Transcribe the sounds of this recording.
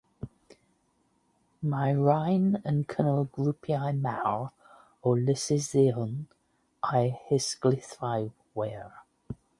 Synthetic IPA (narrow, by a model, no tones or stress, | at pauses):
majɹajnənkʰənəlˠɡlupʰjajmaɹ | olɪsɪzeln | ajhɪsɡ̥lɪθaj | wɛːɹ